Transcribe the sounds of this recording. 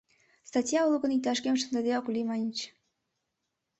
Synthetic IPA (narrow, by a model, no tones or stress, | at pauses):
st̪ɑtʲjɑulˠuɣə̆nik̚t̪ɑʃkemʃ̬ənd̪ɑd̪eɑkulʲimɑnʲt͡ɕ